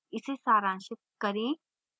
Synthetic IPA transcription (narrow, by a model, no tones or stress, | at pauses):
ɪsesaːɾãːnʃɪk̚kɐɾẽː